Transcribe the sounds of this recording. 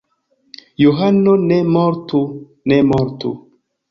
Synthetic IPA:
juɦanːonemɔɾtu | nemɔɾtṵ

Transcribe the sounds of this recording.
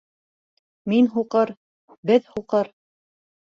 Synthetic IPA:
minɦuqɤɾ | bɘðhuqɤɾ

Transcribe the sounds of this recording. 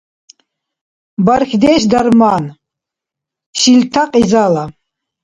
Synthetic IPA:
baɾxʲd̪eːʃ̬d̪aɾman | ʃilt̪ʰaqʼizala

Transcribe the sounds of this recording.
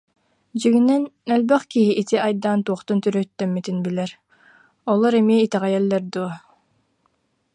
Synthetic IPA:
d͡ʑiɡinɛnœlbœχkiɦiʔit̪iʔajd̪aːnt̪uɔχt̪unt̪yɾœt̪ːœmːit̪inbilɛɾ | ɔlˠɔɾɛmiːt̪ɛʁɛjɛlːɛɾd̪uɔ

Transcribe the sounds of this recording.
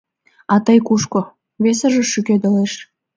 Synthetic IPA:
ɑt̪əjkuʃko | βes̬ə̆ʒə̆ʃyked̪ə̆leʃ

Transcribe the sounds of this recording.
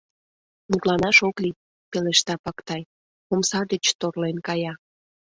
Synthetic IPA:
mut̪lɑnɑʃokli | peleʃt̪ɑpɑkt̪ɑj | omsɑd̪et͡ɕt̪orlenkɑjɑ

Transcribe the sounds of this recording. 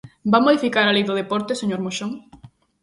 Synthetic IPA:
bamoðifikaɾalejðʊð̞epɔɾt̪eseɲoɾmoʃoŋ

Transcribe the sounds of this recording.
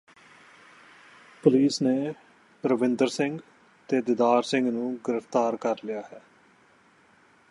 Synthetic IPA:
pʊliːsneː | ɾəʋɪ̃nd̪əɾsɪ̃ŋɡ | t̪eːd̪ɪd̪aːɾsɪ̃ŋɡnũːɡɪɾəft̪aːɾkəɾlɪjaːɦɛː

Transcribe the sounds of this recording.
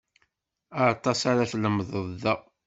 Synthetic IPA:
aɾt̪ˤːɑsaɾaθləmðˤəððæ

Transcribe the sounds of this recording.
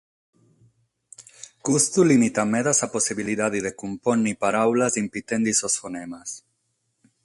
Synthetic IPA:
kust̪ulimit̪ameðasaposiβiliðaðiðekumponːipaɾawlazimpit̪end̪isosfonemas

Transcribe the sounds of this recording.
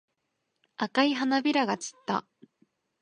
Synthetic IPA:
akaiɦanabʲiɾaɡat͡ɕi̥t̪ːa̰

